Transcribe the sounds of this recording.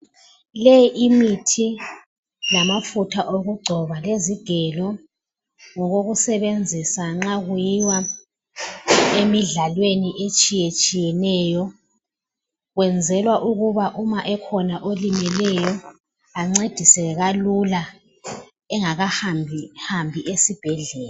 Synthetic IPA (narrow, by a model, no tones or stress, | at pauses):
lejiʔimitʰi | lamafutʰaʔoɣuɡ͡ǀʱɔβaleziɡ̥ʱɛlɔ | ŋɔɣoɣusɛβend͡zʱisaŋ͡ǁaɣujiwa | emiɮalweniʔet͡ʃʼijet͡ʃʼijɛnɛjɔ | ɣwɛnd͡zʱɛlwaʔuɣuβaʔumaʔɛkʰɔnaʔolimɛlɛjɔ | aŋ͡ǀed̥ʱisɛɣalula | ɛŋaɣahamʱhambʱiʔesib̥ʱɛɮɛːla